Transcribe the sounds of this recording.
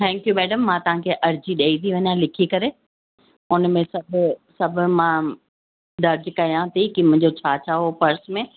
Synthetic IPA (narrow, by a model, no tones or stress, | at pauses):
t̪ʰɛ̃ːŋkjumɛːɖəmːãt̪ɐʋ̤ãkʰeʔɐɾd͡ʑiɗeit̪ʰiʋɐɲjãlɪkʰikɐɾe | ʊnmẽsɐbʱʊsɐbʱʊ̆mãː | d̪ɐɾd͡ʑkɐjãt̪ʰikimʊ̃ɲ̆d͡ʑot͡ɕʰaːt͡ɕʰaːɦopɐɾsmẽ